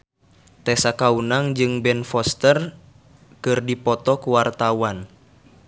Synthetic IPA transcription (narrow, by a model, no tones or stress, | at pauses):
t̪ɛsakaunaŋd͡ʒɨŋbɛnfɔst̪ər | kɨrdipɔt̪ɔkuwart̪awan